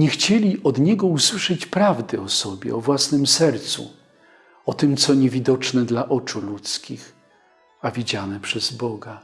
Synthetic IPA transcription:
ɲɛxt͡ɕɛlʲiɔd̪ɲɛɡɔuswɘʂɛt͡ɕpɾavd̪ɘɔsɔbʲjɛ̰ɔvwasnɘmsɛɾt̪sṵ | ɔt̪ɘmt̪sɔɲɛvʲid̪ɔt͡ʂnɛd̪laʔɔt͡ʂulut̪skʲix | avʲid͡ʑanɛpʂɛz̥bɔɡa

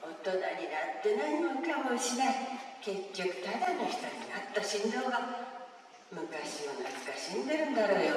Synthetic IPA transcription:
ot̪ːod̪aɲʲinat̪ːenaɲʲimokamoɕinakekʲːokɯ̟̥t̪ʰad̪anoç̥ʲt̪oɲʲinat̪ːaɕind̪oːɡa | mɯkaɕimonakkaɕind̪eɾɯnd̪aɾoːjo

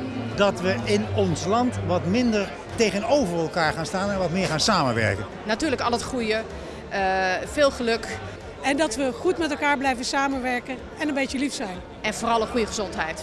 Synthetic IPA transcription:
dɑtʋəɪnɔnslɑntʋɑtmɪndəɹ | tejɣənowvəɹɛlˠkaːɹχaːnstaːnɛ̃nʋɑtmɪːɹχaːnsaːmənʋɛ̰ɹkən | natyːləkɑlˠətχujə | əfɪːlˠχəlɵk | ɛndɔtʋəχutmɛtɛlˠkaːɹblɛjvəsaːmənʋɛɹkən | ɛnənmbejtəlifsɛjn | ɛnfoːrɑlˠəχujəχəzɔntɦɛjt

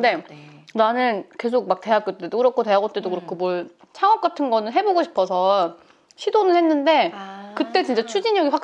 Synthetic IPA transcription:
nde̞nanɯnke̞s̬ʰok̚mak̚te̞aɡ͈ot͈edokɯɾʌkʰote̞aɡot͈e̞dokɯɾʌkʰomwʌɭ | t͡ɕʰaŋʌk̚k͈atʰɯnɡʌnɯnɦe̞boɡoɕʰi̥pʰʌsʰʌ | ɕʰidonɯɭhe̞nːɯnde̞kɯt͈e̞t͡ɕint͡ɕ͈at͡ɕʰud͡ʑiɲʌɡiɸwak̚

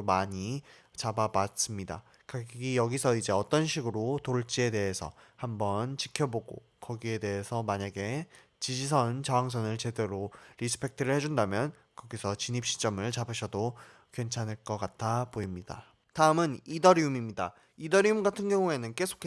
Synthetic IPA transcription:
maɲi | t͡ɕababas͈ɯmɲida̰ | kaɡɡijʌɡisʰʌid͡ʑe̞ʌt͈ʌnɕʰiɡɯɾotoɭt͡ɕ͈ie̞de̞ɦesʰʌhambʌnt͡ɕikʰjʌboɡo̰ | kʌɡie̞de̞esʰʌmaɲaɡe̞ | t͡ɕid͡ʑis̬ʰʌnt͡ɕawaŋs̬ʰʌnɯɭt͡ɕe̞de̞ɾoɾisʰɯ̥pʰe̞k̚tʰɯɾɯɭhe̞d͡ʑundamjʌn | kʌɡisʰʌt͡ɕiɲip̚ɕ͈i̥t͡ɕ͈ʌmɯɭt͡ɕabʰɯɕʰʌdo | kwe̞nt͡ɕʰanɯɭk͈ʌk͈atʰapoimɲida̰ | taɯmɯnidʌɾiumimɲida | idʌɾiumɡatʰɯnɡjʌŋue̞nɯnke̞sʰo̥kʰe

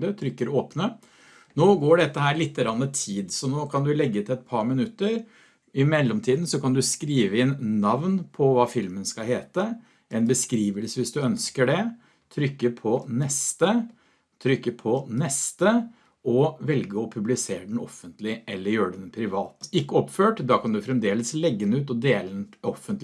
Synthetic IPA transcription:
d̪ət̪ʰɾʏkːəɾoːpnə | noːɡoːɖɛt̪ːəhæːɾɭɪt̪ːəɾɑnːət̪ʰiːd̪sɔnoːkʰɑnd̪ʉlɛɡːət̪ɛt̪̚pʰɑɾmɪnʉt̪ːəɾ | ɪmɛlːɔmt̪ʰiːd̪n̩sɔkɑnd̪ʉskɾiːʋəɪnnɑʋnpʰɔʋɑːfɪlmənskɑlɦeːt̪ə | ʔɛɪnbəskɾiːʋəlsəʋɪsd̪ʉœnskəɖɛ | t̪ʰɾʏkːəpʰɔnɛst̪ə | t̪ʰɾʏkːəpʰɔnɛst̪ə | ɔʋɛlɡəɔpʰʉblɪseːɾɖɛnɔ̰fːənt̪lɪʔɛlːəɾjøːɖɛnpʰɾɪʋɑːt̪ɪkːəɔpføːʈd̪ɑːkʰɑnd̪ʉfɾɛmd̪eːləslɛɡːənʉːt̪ɔd̪eːlənɔfːənt̪

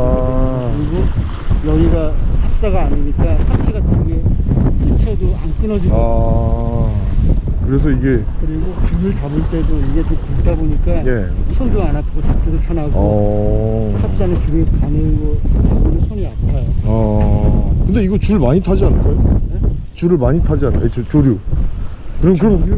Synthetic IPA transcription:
a | ɯɾiɡo | jʌɡiɡahʰap̚s͈aɡaːɲiɲik͈asʰamt͡ɕʰiɡatʰɯnɡe̞ɕʰit͡ɕʰedoank͈ɯnʌd͡ʑia | kɯɾe̞s̬ʰʌiɡe̞kɯɾiɡot͡ɕɯmɯɭt͡ɕabɯɭt͈e̞doiɡe̞t͡ɕompukdaboɲik͈aje̞ | sʰond͡ʑoanat̚k͈ot͡ɕap̚t͡ɕ͈iɾɯɭt͡ɕʰanaɡʌ | sʰap̚t͡ɕ͈anɯt͡ɕuɾɯkanɯɡoeɡoɾosʰʌniantʰajoa | kɯnde̞iɡʌt͡ɕuɭmaɲitʰad͡ʑianɯɭɡʌjonet͡ɕuɾɯɭmaɲitʰad͡ʑianɯet͡ɕot͡ɕoɾjo | kɯɾʌkɯɾʌn

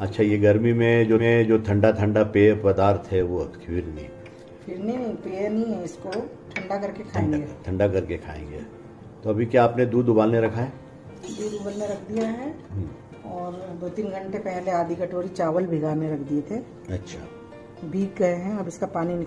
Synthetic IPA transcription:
ɐtːʃʰajeɡɐɾmimẽd͡ʒoẽd͡ʒoːt̪ʰɐ̃ɳɖat̪ʰɐ̃ɳɖapeːpɾɐd̪aːɾt̪ʰɦɛʋokʰɪɾnḭ | fʰɪɾniĩpeːnɐɦĩɦɛ̃ɪsko | ʈ̪ʰɐ̃ɳɖakɐɾkekʰaːẽŋɡeːt̪ʰɐ̃ɳɖakɐɾkekʰa̰ːḛ̃ːŋɡḛː | t̪oɐbʱikjaːpned̪uːd̪ʊbaːlnẽɾɐkʰaɛː | d̪uːd̪ʊbəlmẽɾɐkʰd̪ijaɦɛ | ɦ | ɔːɾd̪oːt̪iːnɡʱə̃ɳʈepɛɦleaːd̪ʱikɐʈoːɾit͡ʃaːʋəlbʱɪɡaːɾmẽɾɐkʰd̪iet̪ʰe | ɐtːʃʰa̰ː | bʱiːɡɡɐɦeɦɛ̃ɐbɪskapaːninɪ

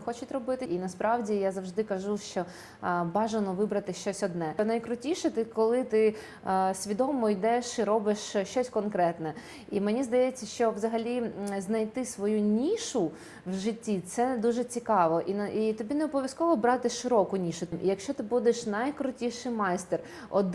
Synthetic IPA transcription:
xɔt͡ʃɪt̪ʲɾɔbɪt̪ɪʔinɐspɾʔɑwdʲijazɐwʒd̪ɪkɐʒuʃt͡ʃɔ | bɑʒɐnɔʋɪbɾɐt̪ɪʃt͡ʃɔsʲɔd̪nɛnɐjkɾʊtʲiʃɛt̪ɪkɔlˠɪt̪ɪ | sʲʋʲid̪ɔmɔjd̪ɛʃiɾɔbɪʃt͡ʃɔsʲkɔnkɾɛt̪nɛ | imenʲizd̪ɐjɛt͡sʲːɐʃt͡ʃɔʋzɐɦɐlʲiznɐjt̪ɪsʋɔjunʲiʃʊ | wʒɪtʲːit̪sɛd̪uʒɛt͡sʲikɑʋɔʔiʔit̪ɔbʲineɛɔbɔʋʲjɐskɔʋɔbɾɑt̪ɪʃɪɾɔkʊnʲiʃʊmʔḭjɐkʃt͡ʃɔt̪ɪbud̪eʃnɐjkɾʊtʲiʃɪjmɑjst̪ɛr | ɔd̪

